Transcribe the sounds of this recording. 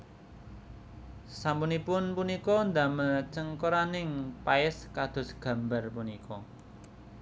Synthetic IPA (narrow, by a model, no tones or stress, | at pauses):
sampunipʊnpunikɔnd̪amət͡ʃəŋkoɾanɪŋpaɪskad̪̥ʊ̤sɡ̥a̤mba̤rpunikʰɔ